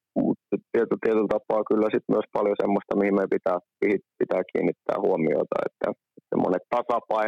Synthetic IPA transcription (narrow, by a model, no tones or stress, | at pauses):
mṵt̪sytt̪iet̪ylt̪iet̪ylt̪ɑpːˑɑːkylːæsit̪myøspɑljosemːost̪ɑmihimeipit̪æːmihipit̪æːkḭːnːit̪ːæ̰ːhuomio̰it̪ɑ̰ḛt̪ːæ̰ | et̪sḛmːo̰net̪t̪ɑsɑpɑi